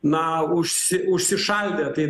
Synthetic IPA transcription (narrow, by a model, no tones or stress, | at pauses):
nɐʊʃʲsʲɪʊʃʲsʲɪʃɐlʲd̪ʲeːt̪ɐɪ